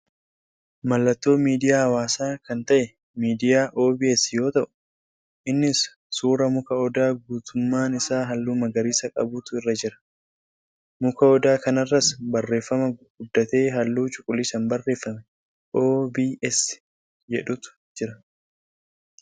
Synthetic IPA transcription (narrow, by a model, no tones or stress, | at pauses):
mɐlːɐt̪ːo̞ːmiːd̪ɪjaːhɐwaːsaːkɐnt̪ɐʔɛ | miːd̪ɪjaːʔo̞ːbiːɛsjo̞ːt̪ɐʔʊ̥ | ʔɪnːɪsː | uːɾɐmʊkɐɔd̪aːɡuːt̪ʰʊmːaːnɪsaːɦɐlːuːmɐɡɐɾiːsɐkʼɐ̰buːt̪ʊɪrːɐd͡ʒɪɾɐ̥ | mʊkɐɔd̪aːkɐnɐrːɐsbɐrːe̞ːfːɐmɐɡ̥ʊd̪ːɐt̪e̞ːɦɐlːuːt͡ʃʼʊkʼʊlːɪsɐnbɐrːe̞ːfːɐmɛ | ʔo̞ːbiːʔɛs | d͡ʒɛᶑʊt̪ʊ̥d͡ʒɪɾɐ